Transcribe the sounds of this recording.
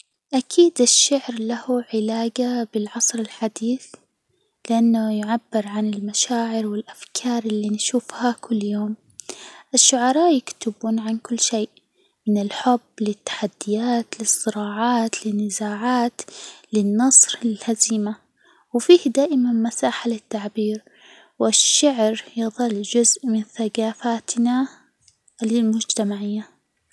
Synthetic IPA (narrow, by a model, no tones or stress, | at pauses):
ʔakʰiːd̪ɪʃːaʕɾlahʊʕɪlaːɡabɪlʕɑsˤɾɪlħad̪iːθ | lɪʔanːʊjʊʕabːɪɾʕanɪlmaʃaːʕɪɾwɪlʔafkʰɑːɾˤɪlːinʃuːfhakʊlːjoːm | ʔɪʃːʊʕɑɾˤɑːʔjɪkt̪ɪbuːnʕankʊlːʃeːʔ | mɪnɪlħʊbːlɪt̪ːḁħad̪ːɪjaːt̪lɨsˤːɨɾɑːʕɑːt̪lɪnːɪzaːʕaːt̪lɪnːɑsˤɾɪlhaziːma | wfiːhd̪aːʔɪmanmasaːħalɪt̪ːaʕbiːɾ | wɪʃːaʕɾjɨðˤɑlːd͡ʒʊzʔmɪnθaɡaːfaːt̪na | lɪlmʊd͡ʒt̪amaʕɪjːa